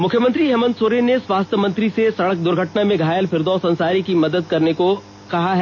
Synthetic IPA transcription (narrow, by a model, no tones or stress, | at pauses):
mʊkʰjəmə̃nt̪ɾiɦɛːmə̃nd̪soːɾeneswaːst̪ʰjəmɐ̃nt̪ɾisesɐɽək̚d̪ʊɾɡʱəʈnamẽɡʱaːjəlfʰɪɾd̪ɔːsɐ̃nsaːɾikimɐd̪əd̪̚kɐɾneko | kɐɦaɦɛ